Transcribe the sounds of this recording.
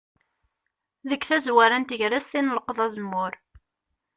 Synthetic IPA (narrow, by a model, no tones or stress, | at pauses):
ðəkːθæzwæɾænt̪əʝɾæst̪inələqəðˤæzəmːʊɾ